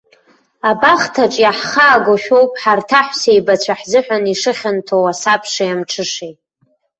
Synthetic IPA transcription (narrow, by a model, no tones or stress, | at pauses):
abaχtʰaʈ͡ʂʼjaħχaːɡoʃᶣowpʼħartʰaħʷsejbat͡ɕʷʰaħzɨħʷᶣaniʂɨχʲantʰowasapʰʂajamʈ͡ʂʰɨʂejtʼ